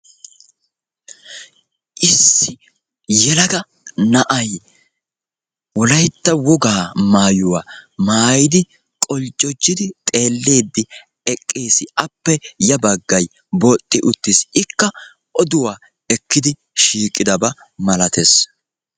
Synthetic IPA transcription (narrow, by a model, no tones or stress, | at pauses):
ʔɪsːɪ | jɛlɐɡɐ | nɐʔɐj | wɔlɐjt̪ːɐwɔɡaːmaːjʊwaːmaːjɪd̪ɪ | kʼɔlt͡ʃʼːɔd͡ʒːɪd̪ɪt̪ʼe̞ːlːe̞ːd̪ːɪ | ɛkʼːeːsɪʔɐpːɛjɐbɐɡːɐj | bɔt̪ʼːɪʔʊt̪ːɪsɪkːɐ | ʔɔd̪ʊwaː | ɛkːɪd̪ɪ | ʃiːkʼːɪd̪ɐbɐ | mɐlɐt̪ʰes